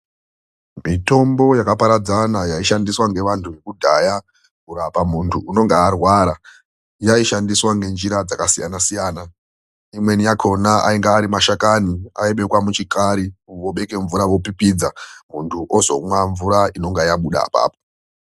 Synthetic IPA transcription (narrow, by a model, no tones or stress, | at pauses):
mito̞mbo̞jakapaɾad͡zanajaiʃandiswaŋɡe̞ʋantʰuʋe̞kudʱaja | kuɾapamuntʰuːno̞ŋɡaːrwaɾa | jaiʃandiswaŋɡe̞nd͡ʒiɾad͡zakasija̰nasijaːna | imwe̞nijakʰo̞naa̰iŋɡaːɾimaʃakania̰iɓe̞kwamut͡ʃikʰaɾiʋo̞ɓe̞ke̞ɱvuɾawo̞pipid͡zamuntʰuʔo̞zo̞̰mwaɱvuɾaino̞ŋɡajaɓuɗa̰pa̰ːpo